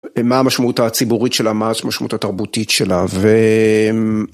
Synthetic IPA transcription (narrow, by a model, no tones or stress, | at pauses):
maamaʃmautat͡sibuʁitʃelamaaʃmaʃma̰ʔut̪ataʁbutitʃelave